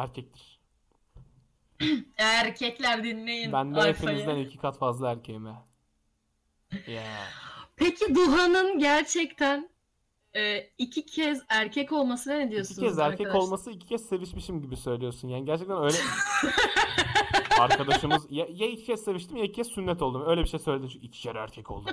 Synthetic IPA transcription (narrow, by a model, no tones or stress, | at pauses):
æɾcʰɛc̚t̪ʰiɾ̥ | æɾcʰɛclʲæɾd̪inlejinbænd̪ɛepʰinizzd̪ænilcʰi̥kʰat̪fazlˠaæɾcʰejimɛ | ja | pʰecʰid̪uɦanɯnɟæɾt͡ʃʰɛct̪ʰæn | ɛːicʰicʰɛzæɾcʰɛco̞lˠmasɯnaned̪ijo̞siucʰɛzæɾcʰɛko̞lˠmasɯici̥cʰɛz̥se̞viʃmiʃimɟibisø̞jlʲijo̞ɾsunjaːniɟæɾt͡ʃʰɛct̪ænø̞jlʲɛ | aɾkʰad̪aʃɯmɯzjajaici̥cʰɛsse̞viʃt̪ʰimjaicʰicʰɛzsynːɛt̪ʰo̞lˠd̪umø̞jlʲɛbiʃejsøjled̪imt͡ʃʰyicʰi̥t͡ʃʰɛɾæ̰ɾcʰɛcʰolˠd̪u